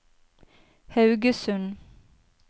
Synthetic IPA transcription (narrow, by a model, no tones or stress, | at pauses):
hɑʉɡəsʉn